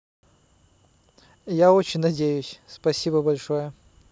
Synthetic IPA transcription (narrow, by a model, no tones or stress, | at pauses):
jaot͡ɕɪnʲnɐdʲejʊsʲspɐsʲibəbɐlʲʂojə